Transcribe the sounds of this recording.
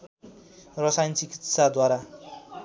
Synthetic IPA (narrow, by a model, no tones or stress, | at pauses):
rʌsajnt͡sikit̪sad̪waɾa